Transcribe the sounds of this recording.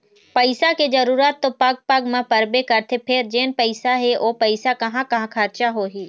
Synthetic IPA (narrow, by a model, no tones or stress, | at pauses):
pɐɪsakezɐɾuːɾət̪ːopɐɡ̚pɐɡmãpɐɾbekɐɾt̪ʰepʰɪɾd͡ʒeːnpɐɪsaɦeʔoːpɐɪsakɐɦãkɐɦãkʰəɾt͡ʃaɦoɦiː